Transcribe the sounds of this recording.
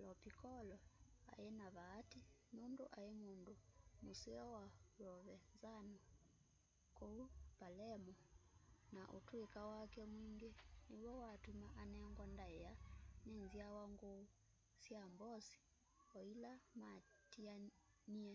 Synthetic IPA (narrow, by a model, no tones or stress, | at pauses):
lɔpikɔlɔa̰enaβaːtinondo̰ʔaemondomoseɔwaβɔβɛnzanɔ | koupalɛmɔnaʔo̰twekawakɛmwiŋɡenewɔwatumaʔanɛŋɡwandaeanenziawaŋɡou | sjambɔsi̥ | ɔilama | tia | nia